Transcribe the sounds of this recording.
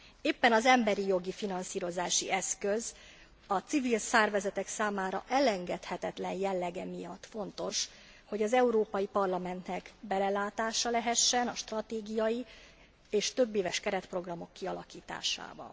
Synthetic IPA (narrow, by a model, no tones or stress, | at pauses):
eːpːɛnɒzɛmbɛɾijo̞ɡifinɒnsiːɾo̞zaːʃiɛskø̞z | ɒt̪sivilsɛrvɛzɛt̪ɛksaːmaːɾɒ̰ʔɛlɛŋɡɛt̪hɛt̪ɛt̪lɛnjɛlːɛɡɛmijɒt̪ːfo̞nt̪o̞ʃ | ho̞ɟɒzɛuɾoːpɒjipɒrlɒmɛnt̪nɛkbɛlɛlaːt̪aːʃɒlɛɦɛʃːɛnɒʃt̪rɒt̪eːɡijɒji | eːʃt̪ø̞bːeːvɛʃkɛɾɛt̪pro̞ɡrɒmo̞kːiɒlɒkiːt̪a̰ːʃa̰ːbɒ̰n